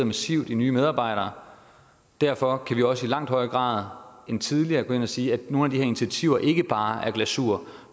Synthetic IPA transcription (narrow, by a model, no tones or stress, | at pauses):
ð̩ˠmesiʊ̰d̥inyːmeð̞ˠɑ̈ːb̥ɑ̈ɪ̰ɾ̥ɐː | d̥æɐfɒ̽kʰæʋiɒ̽səilɑ̈ŋ̰d̥hɒ̽ɪəɡ̥ʁɑ̰̈ːð̞ˠent͡sʰiðˠliɐːɡ̥o̽e̝næsiːæ̥no̝ːnæd̥iheɐini̥t͡sʰiæt͡sʰiʊ̰ɐʔe̝ɡ̥əb̥ɑ̈ːæɐɡ̥læsuɐ̰